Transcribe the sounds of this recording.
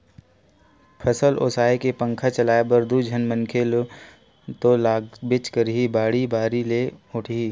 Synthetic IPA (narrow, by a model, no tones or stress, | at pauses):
pʰəsəlʔo̰ːsaːekepə̃ŋkʰat͡ʃɐlaːebɐɾd̪ʱud͡ʒʱənmə̃ŋkʰel | t̪olaːɡbɪt͡ʃkəɾɦibaːɽibaːɾileʊʈʰi